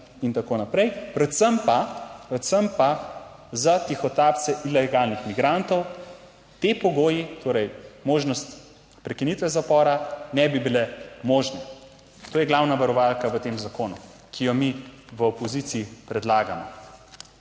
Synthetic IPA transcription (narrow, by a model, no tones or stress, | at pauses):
int̪akoːnapɾɛjpɾɛt̪səmpapɾɛt̪səmpa | zat̪ixɔt̪aːp̪̚sɛʔilɛɡalnixmiɡɾant̪ɔw | t̪epɔɡoːjit̪oːɾɛjmoːʒnɔst̪ | pɾɛkinit̪ʋɛzapɔːɾanɛbibilɛmoːʒnɛ | t̪oːjɛɡlawnaʋaɾɔʋalkaʋət̪eːmzakoːnu | kʰijɔmiʋəɔpɔzit̪siːpɾɛd̪laːɡamɔ̰